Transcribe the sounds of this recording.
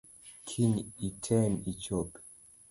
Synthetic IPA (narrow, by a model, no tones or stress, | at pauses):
kʰiɲitʰɛnit͡ʃop